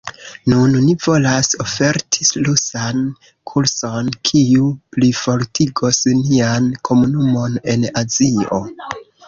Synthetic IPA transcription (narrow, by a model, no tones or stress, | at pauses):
nunːivo̞laso̞fe̞ɾtʰi̥slusan | kʰuɾso̞nkʰiuplifo̞ɾtʰiɡo̞sniankʰo̞munumo̞ne̞nazio̞̰